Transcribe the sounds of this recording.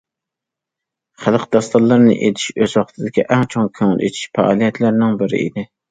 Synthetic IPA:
χælˠqʰd̪ɑst̪ɑlˠːɑɾnɪ̰ʔet̪ʰi̥ʃøzwɑχt̪ʰɨd̪ɪkʲiʔɛŋt͡ʃʰoŋkʲʰøŋɪ̰lˠʔet̪ʰi̥ʃfæ̰ɑ̰ːlˠijɛt̪ʰlæɾnɪŋbɪɾɪ̰ḭd̪ɪ

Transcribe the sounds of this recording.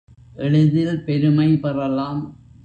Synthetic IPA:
ʔɛɭɯðɪlpɛɾɯmɐɪpɐrɐlːaːm

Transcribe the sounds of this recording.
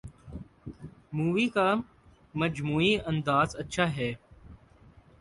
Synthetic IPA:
muːʋiːkaː | məd͡ʒmuːiə̃nd̪aːzətːʃʰaːɦɛː

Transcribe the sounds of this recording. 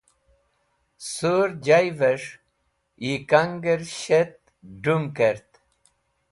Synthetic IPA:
soɾd͡ʑajvəʂ | ikaŋɡəɾɕet̪̚ | ɖumkeɾt̪

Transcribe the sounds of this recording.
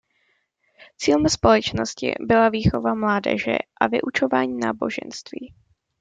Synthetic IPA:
t͡siːlɛmspo̞lɛt͡ʃno̞scɪ̰bɪlaviːxo̞vamlaːdɛ̰ʒɛ̰ʔavɪ̰ʔut͡ʃo̞vaːɲiːnaːbo̞ʒɛ̰nst̪viː

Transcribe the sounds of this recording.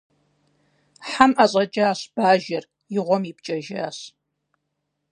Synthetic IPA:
ħamʔaɕʼɐt͡ʃʼɐːɕb̥aːʒɐr | jɪʁʷɔmipt͡ʃʼɐʒaːɕ

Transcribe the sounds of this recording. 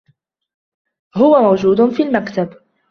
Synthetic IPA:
hʊwamawd͡ʒuːd̪ʊfiːlmakt̪ab

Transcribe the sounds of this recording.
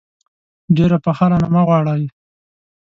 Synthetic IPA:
ɖeɾapaxaɾanamaɣwɑɽaj

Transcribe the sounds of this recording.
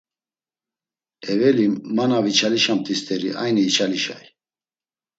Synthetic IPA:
ɛvɛliːanavit͡ʃʰaliʃamt̪ʼist̪ʰʼɛɾḭa̰jniːt͡ʃʰaliʃa̰j

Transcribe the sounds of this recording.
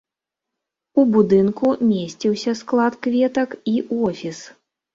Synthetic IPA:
ubud̪ɨnkumʲesʲt͡sʲiwsʲɐsklˠat̪kvʲɛt̪ɐkiʔɔfʲis

